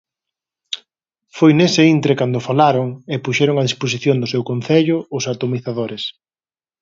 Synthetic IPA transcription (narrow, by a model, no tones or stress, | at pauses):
fojnesɪint̪ɾekand̪ʊfalaɾoŋepuʃɛɾoŋaðispos̬iθjond̪ʊsewkonθeʎʊʊsat̪omiθaðoɾɪs